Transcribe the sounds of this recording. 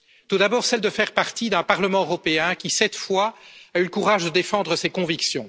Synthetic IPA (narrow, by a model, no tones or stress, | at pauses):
t̪ud̪abɔːʁsɛld̪əfɛʁpaʁt̪id̪ɛ̃paʁləmɑ̃øʁɔpeɛ̃kʲisɛt̪fwaayləkuʁaːʒd̪əd̪efɑ̃d̪ʁəsekɔ̃viksjɔ̃